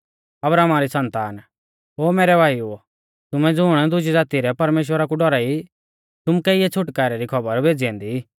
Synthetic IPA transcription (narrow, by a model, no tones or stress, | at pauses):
ɐbɾaːmaɾisɐ̃nt̪aːn | ɦoːmeːɾɛbʱaːju | t̪ʊmɛ̃d͡zʊːɽ̃ɛd̪ʊd͡ʒid͡zaːt̪iɾɛpɐɾmeːʃ̬wəɾakuɖɔɾai | t̪ʊmkɛiɛt͡sʰʊʈkaːɾɛɾikʰɐbəɾbʱeːd͡ziɛ̃ːnd̪i